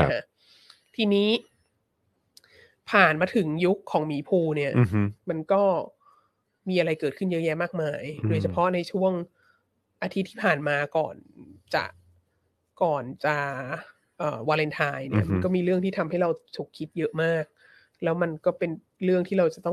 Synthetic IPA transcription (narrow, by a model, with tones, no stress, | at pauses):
na˧kʰa˦˥ | t̪ʰiː˧niː˦˥ | pʰaː˨˩nmaː˧t̪ʰɯ˩˦ŋju˦˥kʰːɔː˩˦ŋmiː˩˦pʰuː˧ni˥˩ɐma˧nkɔː˥˩ | miː˧ʔa˧ɾa˧jkɤː˨˩t̪̚kʰɯ˥˩njɤ˦˥jɛː˦˥maː˥˩k̚maː˧˩jdoː˧jt͡ɕʰa˧pʰɔ˦˥na˧jt͡ɕʰu˥˩əŋ | ʔa˧t̪ʰi˦˥t̪ʰːiː˥˩pʰaː˨˩nmaː˧kɔ̰ː˨˩nt͡ɕa̰˨˩ʔ | kɔː˨˩nt͡ɕa˨˩ | ʔɤː˨˩waː˧le˧nt̪ʰaː˧jnḭ˥˩ɐma˧nkɔː˥˩miː˧ɾɯ˥˩əŋt̪ʰiː˥˩t̪ʰa˧mha˥˩jɾa˧wt͡ɕ̪ʰu˨˩kʰːi˦˥t̪̚jɤ˦˥ʔmaː˥˩k̚ | lɛː˦˥wma˧nkɔː˥˩pe˧n | ɾɯ˥˩əŋt̪ʰiː˥˩ɾa˧wt͡ɕa˨˩t̪ɔ˥˩ŋ